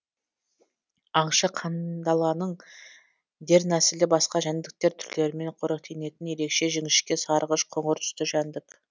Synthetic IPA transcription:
ɑɴʃɑqʰɑnd̪ɑlˠɑnəɴ | d̪e̞ɾnæsɪlɪbɑsqɑʒænd̪ɪk̚t̪e̞ɾt̪ʰʏɾle̞ɾɪme̞ɴqʰoɾəq̚t̪ʰene̞t̪ɪnje̞ɾe̞kʃe̞ʒɪŋɪʃkʲe̞sɑɾʁəʃqʰoɴəɾt̪ʰʏ̥st̪ɪʒænd̪ɪk

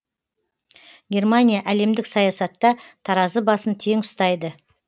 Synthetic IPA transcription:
ɡʲe̞rmanʲijaʔæle̞md̪ɪksɑjɑsɑt̪ːɑt̪ʰɑɾɑzəbɑsənt̪ʰe̞ŋʊst̪ɑjd̪ə

